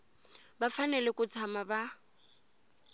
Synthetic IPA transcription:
bafanɛlɛkʼʊt͡sʰamaba

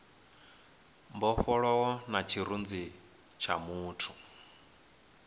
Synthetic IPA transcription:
mbɔfɔɺɔwɔnat͡ʃʰiɾund͡zi | t͡ʃʰa̰muːtʰu

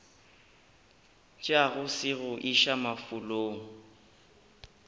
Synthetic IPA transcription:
t͡ʃʼaɣʊsɪɣʊʔiʃamafʊloːŋ̩

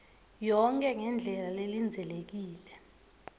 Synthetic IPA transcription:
jɔŋkʼɛŋɛnd͡ɮʱɛlalelind͡zʱɛlek̬iːlɛ

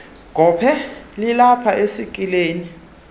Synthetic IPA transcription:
ɡ̥ʱɔːpʰɛlilapʰaesikʼileːni

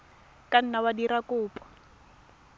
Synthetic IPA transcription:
kan̩nawadiɾakuːpʰʼɔ̥

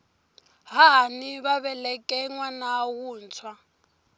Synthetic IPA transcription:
ɦaniβaβɛlɛkʼɛŋwanawuːnt͡sʰwa

